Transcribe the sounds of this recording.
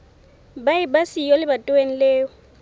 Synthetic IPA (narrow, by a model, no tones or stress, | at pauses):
baɪbasijɔlɪbatʼʊen̩leːʊ